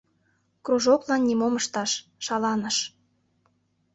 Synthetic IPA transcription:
kroʒoklɑnːʲimoməʃt̪ɑʃʃɑlɑnəʃ

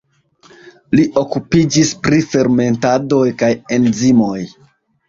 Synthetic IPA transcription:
liʔo̞kupid͡ʒispɾife̞ɾme̞ntado̞jkajenzimo̞j

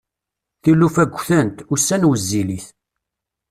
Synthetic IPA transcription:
θilːufæɡʷːθənt̪ʊsːænwəzːiliθ

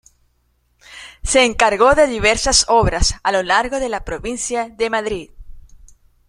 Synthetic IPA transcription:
se̞ːŋkaɾɣo̞ðe̞ðiβ̞e̞ɾsaso̞βɾasalo̞laɾɣo̞ðe̞lapɾo̞βinsjaðe̞maðɾið

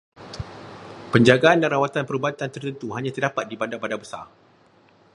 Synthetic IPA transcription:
pəɲd͡ʒaɡaandanɾawat̪anpəɾubat̪ant̪ərt̪ənt̪uɦaɲãt̪ərdapat̪̚dibandabadabəsa̰r

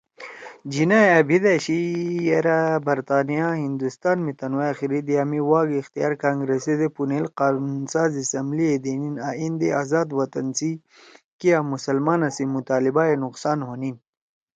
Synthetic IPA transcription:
d͡ʒinajɐbʱid̪aɕijeɾabɐɾt̪aːnijaɦind̪ust̪aːnmit̪ɐnwajaxiɾid̪iaːmiwaːɡixt̪ija̰ːɾkaːŋɡɾesed̪epunelqaːnunsaːzisɐmblied̪eninaːind̪eazaːd̪wɐt̪ɐnsi | kijamusɐlmaːnasimut̪aːlibaenuqsaːnɦonin

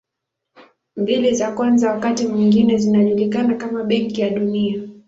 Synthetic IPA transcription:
mbilizakwanzawakatimiŋɡinɛzinaʄulikanakamaɓɛŋkijaɗunia

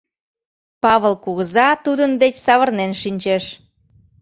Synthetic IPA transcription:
pɑβəlˠkuɣəzɑt̪ud̪ənd̪et͡ɕsɑβərnenʃinʲt͡ɕeʃ

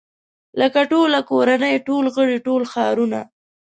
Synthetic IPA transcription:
ləkaʈolakoɾanəjʈolɣəɽiʈolxɑɾuna̰

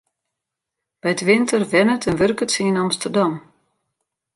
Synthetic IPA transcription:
b̥ɛjtʋɪntərʋɛnətənʋørkətsəinɑmstərdɑm

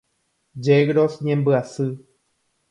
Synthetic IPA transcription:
d͡ʒeɡɾosɲẽmbɨasɨ

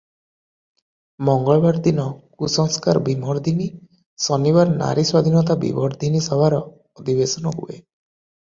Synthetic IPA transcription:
mɔŋɡɔɭɔbaɾd̪inɔkusɔŋskaɾbimɔɾd̪ʱini | sɔnibaɾna̰ɾiswad̪ʱinɔt̪abḭbɔɾd̪ʱinisɔbʱaɾɔ | ɔd̪ʱibesɔnɔɦṵḛ

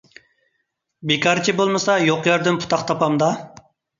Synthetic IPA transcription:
bekʰɑɾt͡ʃʰibolˠmɨsɑjoqjɑɾd̪ɨnpʰu̥t̪ʰɑχt̪ʰɑpɑmd̪ɑ

